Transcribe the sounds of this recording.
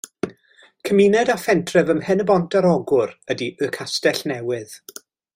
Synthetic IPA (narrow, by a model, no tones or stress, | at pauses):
kʰəminɛdafɛntʰrɛvəmhɛnəbɔntʰaɾɔɡʊrədiʔəkʰastɛɬnɛwɪð̥